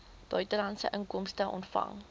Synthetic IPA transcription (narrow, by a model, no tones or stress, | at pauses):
b̥œɥtəlɐntsə̰ʔəŋkɔmstəʔɔ̰ntfɐ̰ŋ